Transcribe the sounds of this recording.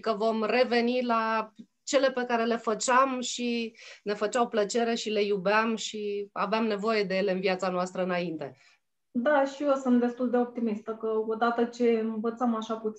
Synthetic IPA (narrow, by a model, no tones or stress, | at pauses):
kəvo̞mre̞ve̞nila | t͡ʃe̞le̞pe̞kaɾe̞le̞fət͡ʃamʃine̞fət͡ʃawplət͡ʃe̞ɾe̞ʃile̞jubeamʃiaveamne̞vo̞je̞d̪e̞je̞le̞ɨnvjat̪sanoast̪ɾəɨnaint̪e̞̰ | d̪aʃiosɨnt̪̚d̪e̞st̪uld̪e̞o̞p̚t̪imist̪əkəod̪at̪ət͡ʃe̞ɨnvət̪səmaʃaput̪s